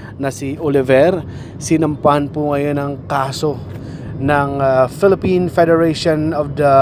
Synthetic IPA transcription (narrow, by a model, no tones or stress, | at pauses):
nɐsiʔolɪvɛɾ | sɪnɐmpahanpʊŋɐjo̞nɐŋkaːso | nɐŋfɪlɪpinfɛd̪ɛɹejʃonɔvd̪ɐ